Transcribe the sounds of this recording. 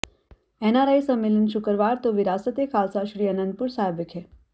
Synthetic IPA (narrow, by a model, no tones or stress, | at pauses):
enaɾaisəmːelənʃʊkɾʋaɾt̪oʋɪɾaːsət̪ekʰaːlsaʃɾiːənə̃nd̪̚puɾsabɪkɦe